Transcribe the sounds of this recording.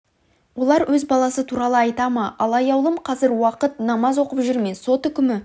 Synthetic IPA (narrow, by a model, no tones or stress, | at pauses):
wo̞lˠɑɾwʔɵzbɑlˠɑsət̪ʰuɾɑlˠəɑjt̪ɑmɑʔɑlˠɑjɑwlˠəmqʰɑzɪɾwɑqət̪nɑmɑzwo̞qəpʒʏɾme̞so̞t̪ʏkʲɪmɪ